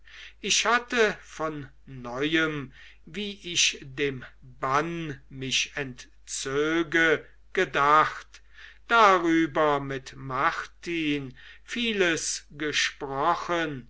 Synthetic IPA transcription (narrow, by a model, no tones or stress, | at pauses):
ʔɪʃhatəfɔnː | ɔʏəm | viːʔɪçdeːmbanmɪʃɛnt | t͡søːɡə | ɡ̥ədaχt | d̥aʁyːbɐmɪtmaʁtin | fiːləsɡəʃpʁɔχən